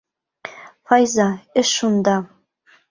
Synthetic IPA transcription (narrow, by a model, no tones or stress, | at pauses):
fɑjzɑɘ̆ʃund̪ɑ